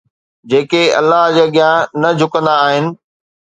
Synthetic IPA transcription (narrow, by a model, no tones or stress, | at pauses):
d͡ʑeːkeɐ̰lːaɦd͡ʑaːɠɪjãnɐd͡ʑʱʊkə̃nd̪aːɦɪnɪ̆